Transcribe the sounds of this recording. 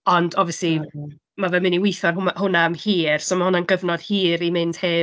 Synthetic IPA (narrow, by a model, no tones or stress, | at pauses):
ɔndɔviəsli | mavɛmɪniwɪjθɔrhhʊnamhiːrsomahʊnanɡəvnɔd̥hiːɾimɪnd̥heː